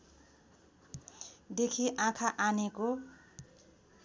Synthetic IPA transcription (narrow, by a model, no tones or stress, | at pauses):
d̪ekʰiʔãkʰaʔaneko